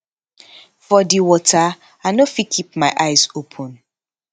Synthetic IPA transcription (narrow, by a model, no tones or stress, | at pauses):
fɔdiwɔtʰa | anofikʰip̚maɪʔaɪzopʰɔ̃n